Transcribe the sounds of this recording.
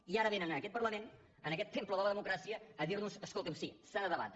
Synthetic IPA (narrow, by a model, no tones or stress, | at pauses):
iaɾəβenənənəkɛt̪̚pəɾləmen | ənəkɛt̪ːempləðɔβəðəmukɾasiəːðiɾnuzəskolˠt̪emsisanəðəβa̰t̪